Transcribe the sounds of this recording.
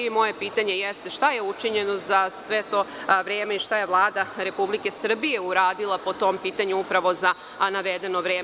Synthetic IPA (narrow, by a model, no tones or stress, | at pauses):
mo̞je̞piːt̪aɲe̞jest̪e̞ʃt̪aje̞ut͡ʃiɲe̞no̞zasʋe̞t̪o̞ːʋɾeːmeiʃt̪aje̞ʋlˠaːd̪aɾe̞publike̞sr̩bije̞uɾaːd̪ilˠapo̞t̪o̞mpiːt̪aɲuupɾaʋo̞za | naʋed̪e̞no̞ʋɾeː